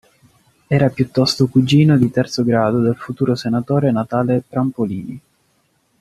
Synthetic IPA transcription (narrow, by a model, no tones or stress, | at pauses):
ɛːɾapjut̪ːɔst̪okud͡ʒiːnod̪it̪ɛrt̪soɡɾaːd̪od̪elfut̪uːɾosenat̪oːɾenat̪aːlep̪ɾampoliːni